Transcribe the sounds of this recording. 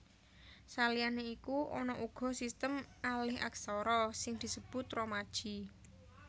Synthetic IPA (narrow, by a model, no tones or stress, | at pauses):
salijaneikuʔɔnɔʔuɡ̥ɔ̤sist̪əmalɪɦa̰ksɔɾɔsɪŋd̪̥i̤səb̥ʊ̤t̪ɾɔmad̥ʒ̥i̤